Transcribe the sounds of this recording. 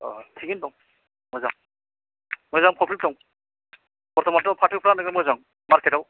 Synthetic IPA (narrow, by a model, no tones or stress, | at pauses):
ɔ̰tʰikinpɔŋ | mɔjzaŋ | mɔjzaŋpʰɔpʰitɔŋ | pɔɾt̪ʰɔmɔntɔpʰatʰipʰɾanaɡamɔjzaŋ | maɾkʰetaw